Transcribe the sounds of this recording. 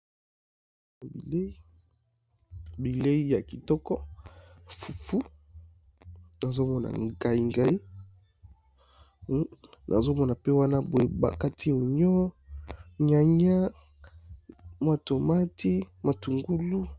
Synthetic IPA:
bḭ˨le˦i˦ | bi˨le˦i˦ja˨ki˨tɔ˦kɔ˦ | fu˨fu˦ | na˨zo˦mɔ˦na̰˨ŋɡa˨i˨ŋɡa˦i˦ | nʔa̰˨zo˦mɔ˦na˨pe˦wa˦na˦bo˨e˨ba̰˨ka˦ti˦˨o˨ɲɔ˦ | ɲa˨ɲa˦ | mwa˨to˨ma˦tʰi˦ma˨tu˨ŋɡu˦lu˦

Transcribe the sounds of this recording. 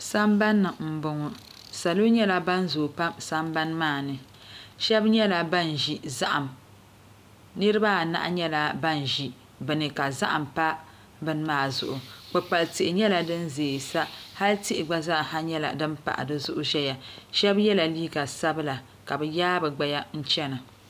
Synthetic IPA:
sa˦mba˦nːɨ˨m̩˨bʊ˨ŋɔ˨ | sa˨lo˦ɲɛ˦la˦ba˦nzo˨pa˦msa˦mba˦nmaː˦˨nɨ˨ | ʃɛ˦bɲɛ˦la˨ba˦nʒi˨za˦ʔa˨m | nɨ˦ɾɨ˦ba˦˨na̰˨ʔa˦ɲɛ˦la˨ba˦nʒi˨ | bɨ˨nɨ˨ka˨za˦ʔa˨mpa˦ | bɨ˦n˦maː˦˨zʊ̰˦˨ʔʊ˨k͡pɨ˨k͡pa˨lti˨ʔɪ˨ɲɛ˦la˨dɨ˦nzeː˨sa˦ha˦lti˦ʔɪ˨ɡ͡ba˦za˦ʔha˦ɲɛ˦la̰˨dɨ˦mpa̰˨ʔa̰˨dɨ˦zʊ˦ʔʊ˦ʒɛ˦ja˨ʃɛ˦bjɛ˦la˨liː˦ɡa˨sa˦bɨ˦la˨ | ka˨bɛ˨jaː˦bɛ˨ɡ͡ba˨ja˦n̩˦t͡ʃɛ˦na˨

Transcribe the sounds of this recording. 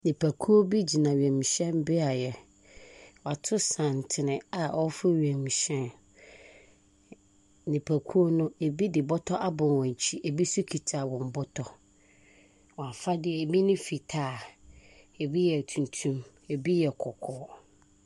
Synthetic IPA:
nĩ˨pʰæ˨kʰu˦o˦bi˦d͡ʑi˨nã˨ɥɛ̃˨mĩ˨ɕɛ̃˦mbɪ˦a˨jɛ˨ | wɔ˨a˨tʰʊ˦sã˨n˨tʰɪ˨nɪ̃˨a˨ɔ˦fʊ˦ɥɛ̃˨mĩ˨ɕɛ̃˦n | nɪ̃˨pʰæ˨kʰu˦o˦nʊ̃˦e˨bi˦dɪ˨bɔ˦tʰɔ˦ʔa˦bʊ̃˨n˨wɔ̃˨ɲ˨t͡ɕʰi˦ʔe˨bi˦su˦kʰi˨tʰa˨wɔ̃˨m˨bʊ˦tʰɔ˦ | wɔ̃˨a˨fa˦dɪ˦ɛ˨e˨bi˦nʊ̃˦fi˨tʰaː˦˨ | e˨bi˦jɛ˨tʰũ˨ntʰũ˦m | e˨bi˦jɛ˨kʰɔ˨kʰɔː˦

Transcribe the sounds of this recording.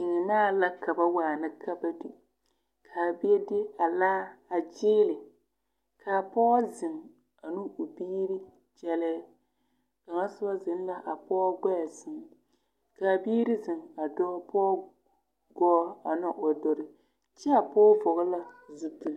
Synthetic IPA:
ɪ˨ŋ˨naː˦˨la˦ka˨ba˦waː˨nɨ˦kʰa˦ba˦di˨ | kʰaː˨bɪ˦ɛ˦dɪ˦a˨laː˦a˨d͡ʒɪː˦lɪ˨ | kʰaː˨pɔː˦zɪ˨ŋ | a˨nu˦ʊ˨biː˦ɾi˦ | d͡ʒɛ˦lɛː˦ | ka˨ŋa˦sʊ˦ba˦zɪ˨n˦la˦ʔa˨pɔː˦ɡɔ˦a˨zɪ˨ŋ˨ | ka˨biː˦ɾɪ˦zɪ˨ŋa˨dɔ˦pʰɔː˦ | ɡɔː˦a˨nɔ˦ʔo˨dɔ˨ɾɪ˨ | t͡ʃɛ˦a˨pɔː˦vɔ˨ɣʊ˦la˦zu˦tu˨

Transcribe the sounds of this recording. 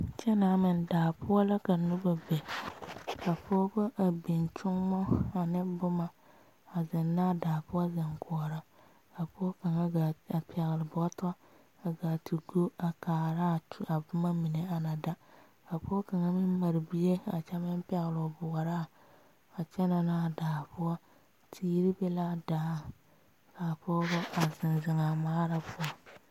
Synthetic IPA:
t͡ʃɛ˦na˨˦mɪ̃˨ndaː˨pʊ˦a˦la˦ka˨nʊ˦ba˨bɛ˨ | ka˨pɔː˦bʊ˦ʔa˨bi˨nt͡ʃʊ˦ŋmɔ˦a˨nɪ˦bʊ˦ma˨ | a˨zɪ˨nːa˦˨daː˨pʊ˦a˦zɪ˨ŋkʰɔ˨ɔ˨ɾa˦ | a˨pʊ˦ɔ˦ka˨ŋa˦a˨a˨pʰɛ˨ɣɪ˨lɪ˨bʊ˨ɔ˦ta˦ | a˨ɡa˨ti˨ɡo˦a˨kaː˨ɾa˦˨˦a˨bʊ˦ma˦mi˨ne˨a˨na˨da˦ | a˨pʊ˦ɔ˦ka˨ŋa˦mɪ˦m˦ma˨ɾbi˦je˦a̰˨t͡ʃɛ˦mɪ˦m˦pɛ˨ɣlʊ˨bʊ˨a˨ɾa˦˨ | a˨t͡ʃɛ˦na˨na˦˨daː˨pʊ˦a˦ | tʰiː˦ɾi˦bɛ˦la˦daː˨ | ka˨pɔː˦bɔ˦a˨zɪ˨nzɪ˨ŋa˨maː˦ɾa˦pʊ˦ɔ˨

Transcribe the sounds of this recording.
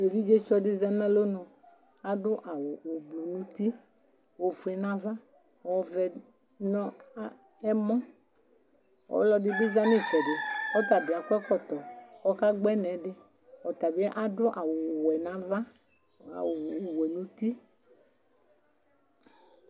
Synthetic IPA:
le˨vi˦d͡ʒe˦t͡ʃɔ˨dɪ˦za˦nɛ̃˦lo˦nɔ̃˨ | a˨dʊ˦ʔa˨wʊ˨o˨blu˨nũ˦t̪i˦ | wo˨fu˨ɛ˨nã˨va˦˨ | ɔ˨˦vɛ˨ | nɔ̃˦ | ɛ˦mɔ̃˦ | wɔ̰˨˦lɔ˦dɪ˨˦bɪ˦za˦m˦ĩ˦˨t͡ʃɔ˨dɪ˨ɔ˦t̪a˨bɪ˨a˨kʷɛ˦kɔ˦t̪ɔ˨wɔ˦ka˦ɡ͡bɛ˦nɛ̃˨˦ɖɪ˦ | ɔ˨t̪a˨bɪ˦ɛ˦ʔa˨dʊ˦ʔa˨wʊ˨wɛ˨nã˨˦va̰˦˨ | wwɛ˨nũ˨˦t̪i˦

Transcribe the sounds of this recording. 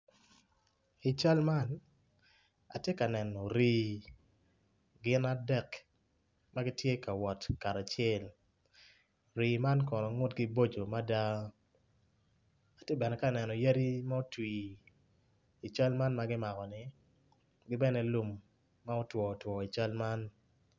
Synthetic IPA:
i˨t͡ʃa˦lma˦n | a̰˨tje˦ka˨nɛ˨nɔ˨ɾiː˦ | ɡɪ˦na˦dɛ˦k | ma˦ɡɪ˦tje˦ka˨wɔ˨tka˨ɾa˨t͡ʃɪɛ˦l | ɾiː˨ma˦nkɔ˨nɔ˨ŋʊ˦tɡɪ˦bo˦d͡ʒo˨ma˦da˦ | a˨tje˦bɛ˨nɛ˨ka˨nɛ˨nɔ˨ja˦ɾi˦ma˦o˦twi˨ | t͡ʃa˦lma˦nma˦ɡɪ˦ma˨kɔ˨nɪ˨ | ɡɪ˦bɛ˦nɛ˦lu˦mː | a˦o˦twɔ˨twɔ˨i˨t͡ʃa˦lma˦n

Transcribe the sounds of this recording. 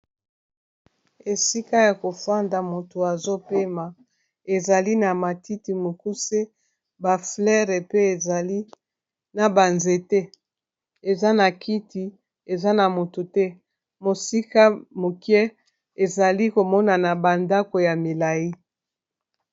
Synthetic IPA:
e˨si˦ka˦ja˨ko˨fa˦nda˨mo˨to˨a˨zo˦pe˦ma˨ | e˨za˨li˦na˨ma˨ti˦ti˨mo˨ku˦se˦ | ba˨flɛ˦ʁe˨pe˦e˨za˨li˦ | na˨ba˨nze˨te˦ | e˨za˦na˨ki˦ti˨ | e˨za˦na˨mo˨to˨tɛ˦ | mo˨si˦ka˦mo˨kjɛ˦ | e˨za˨li˦ko˨mɔ˦na˨na˨ba˨nda˦ko˨ja˨mi˨la˨ji˦

